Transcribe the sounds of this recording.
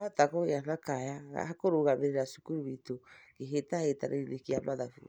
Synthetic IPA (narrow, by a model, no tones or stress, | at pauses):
atakɔɣeaɾɾakajaɣa̰akoɾoɣameɾeɾasu̥kuɾuβitokeɦetaeta̰ɾeilekiaβaðafu